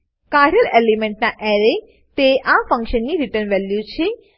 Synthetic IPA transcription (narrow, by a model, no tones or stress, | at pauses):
kaɾjəlelimẽɳʈnaʔɛɾe | t̪eʔafə̃ŋkʃənːiɾiʈəɾnʋɛljut͡ʃʰe